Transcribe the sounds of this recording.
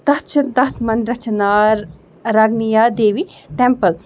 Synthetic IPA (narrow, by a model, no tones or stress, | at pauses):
t̪ɐt̪t͡ʃʰɐd̪ɐt̪ʰmɐnd̪ɾɐt͡ʃnaːɾ | ɾɐɡnijaːd̪eːʋiʈempəl